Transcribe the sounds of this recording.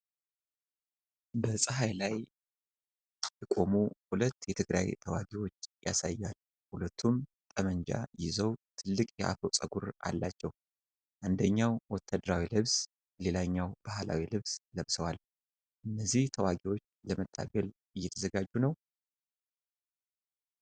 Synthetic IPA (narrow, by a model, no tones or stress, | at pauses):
bəsʼɨɦajlaj | jɛkʼo̞muhulət̪ːjɛt̪ʰɨɡɾa̰jt̪ʰəwaɡiwo̞t͡ʃːja̰sajːal | hulət̪ʰːum | t̪ʼəməɲd͡ʒa̰jɪzəwt̪ʰɨlːɨkʼjɛʔa̰fowt͡sʼəɡuɾʔa̰lːat͡ʃːɛw | ʔand̪əɲːawwɔt̪ʰːad̪əɾawilɨβs | le̞laɲːawb̥ahla̰wilɨβsləβsəwal | ʔɨnːəzːiht̪ʰəwaɡiwo̞t͡ʃːləmət̪ʰːa̰bɛl | ɨjːɛt̪ʰəzəɡad͡ʒːunəw